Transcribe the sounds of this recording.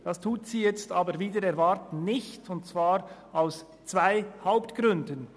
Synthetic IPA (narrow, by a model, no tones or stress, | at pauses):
d̥ɑstʰuːtsiːjɛt͡staːbəɾviːdəɾɛɾvaɾtn̩nɪçtʰʊntt͡sv̥aːɾ | aʊs | t͡sv̥aɪhaʊptɡ̥ɾʏndən